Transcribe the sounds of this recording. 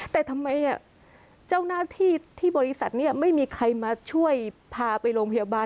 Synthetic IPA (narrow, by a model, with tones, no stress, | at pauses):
t̪ɛː˨˩t̪ʰa˧mːa˧jʔa˨˥˩ | t͡ɕaː˥˩wnaː˥˩t̪ʰiː˥˩t̪ʰiː˥˩bɔː˧ɾi˦˥sa˨˩t̪̚niː˥˩ma˥˩jmiː˧kʰa˧jmaː˧t͡ɕʰu˥˩əjpʰaː˧pa˧jɾoː˧ŋpʰa˧jaː˧baː˧